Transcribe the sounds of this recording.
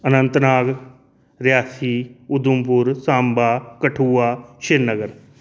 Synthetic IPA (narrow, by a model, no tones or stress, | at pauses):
ənənt̪naːɡ | ɾjaːsiːʊd̪ʊmpʊɾsaːmbaːkəʈʰuːaːʃɪɾnəɡəɾ